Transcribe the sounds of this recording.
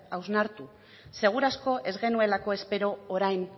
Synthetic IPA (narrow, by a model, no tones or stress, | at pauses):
awznaɾt̪u | se̞ɣ̞uɾasko̞ʔe̞zɣe̞nue̞lako̞e̞spe̞ɾo̞ːɾajn